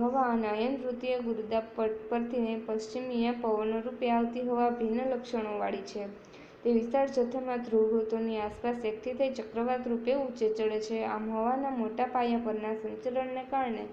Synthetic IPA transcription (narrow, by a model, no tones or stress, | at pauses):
ɦəʋaənəjənɾut̪ijeɡuɾd̪apəpəɾt̪ʰinepəʃt͡ʃimijepəʋənoɾupjeaʋt̪iɦoʋabʱinələkʃəɽ̃oʋaɽit͡ʃʰe | t̪eʋɪst̪aɾd͡ʒət̪ʰemãd̪ʱɾoɡɾut̪oniaspasjək̚t̪ʰit̪ʰəit͡ʃəkɾəʋat̪ɾupeut͡ʃet͡ʃəɭet͡ʃʰea̰mɦɔʋanamoʈapajãpəɾnasə̃nt͡ʃələɳːekaɾɳe